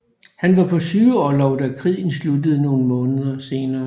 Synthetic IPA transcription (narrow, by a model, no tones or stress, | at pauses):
hænʋɑ̈pʰɒ̽syːʊɒlɒʊd̥ækʰʁḭːn̩slud̥əð̩ˠno̝ːn̩mɔ̽ːnəð̞ˠɐse̝ːnɐː